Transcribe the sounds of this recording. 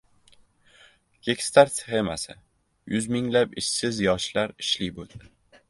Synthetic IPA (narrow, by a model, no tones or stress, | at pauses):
ɡ̥ʲekʲst̪aɾt̪sχemasɪ̰ | jʊzmɪŋlapɪʃsɪzjɒʃlaɾɪʃlibold̪ɪ